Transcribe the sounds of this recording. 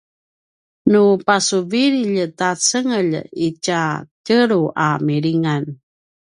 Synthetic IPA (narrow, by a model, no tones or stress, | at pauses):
nupasuviɾiʎtat͡səŋəʎicacəɾuʔa̰miɾiŋan